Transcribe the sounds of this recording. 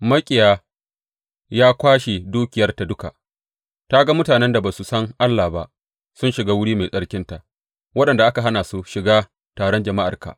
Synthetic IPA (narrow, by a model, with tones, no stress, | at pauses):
mɐ˦kʲʼɪ˨jaː˨ | jaː˦kʷaː˦ʃe˨duː˦kʲɪ˨jɐ˦rta˨dʊ˦ka˨ʔ | ta˦ɡa˦mʊ˦taː˨nɛ˦nda˨baː˨su˨sɐ˦ŋʔa˦lːaː˨ba˦ʔ | sʊ˦nʃɪ˨ɡaː˦wʊ˦ɽiː˦ma˨jsʼɐ˦ɽkʲɪ˦nta˨ʔ | wɐ˦ɗɐ˨nda˨ʔa˦ka˨ɦa˦naː˨su˦ʃɪ˨ɡaː˦ | taː˨ɽɔ˦nd͡ʒɐ˨ma˦ʔa˨ka̰˨ʔ